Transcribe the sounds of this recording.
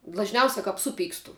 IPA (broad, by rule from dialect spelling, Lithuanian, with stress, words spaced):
dlˠɐʒʲˈnʲɛʊsʲɛ kɐp ˈsʊˌpʲiːkstʊ